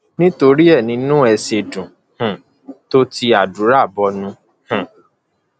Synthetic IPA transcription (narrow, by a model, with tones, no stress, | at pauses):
nĩ˦to˧ɾi˦ɛ˦˨nĩ˨˧nũ˦ɛ˧se˧dũ˨ | hũ˨ | to˦ti˧a˨du˨˦ɾa˦˨bɔ˧nũ˧ | hũ˨